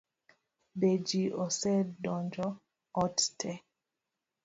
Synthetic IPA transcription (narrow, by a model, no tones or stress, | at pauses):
bed͡ʒiʔɔsɛdɔnd͡ʒɔ | ɔttʰɛ